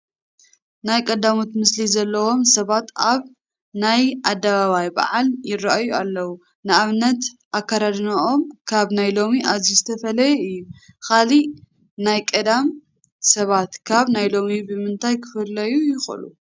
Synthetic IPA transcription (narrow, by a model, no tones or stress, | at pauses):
najkʼɐd̪amut̪mɨslizɐlːɐwo̞msɐβat̪aβ | najʔad̪ːɐβaβajba̰ʕaljɪraʔajualːɐwu | nɨaβnɐt̪ʔakːaɾad̪naʔo̞mkʰaβnajlo̞miʔazizɨt̪ʰɐfɐlɐjɛɨjːukali | najkʼɐd̪am | sɐβat̪kʰaβnajlo̞mibɨmɨnt̪ʰajkʰɨ̥fɨlːɐjujɪxlṵ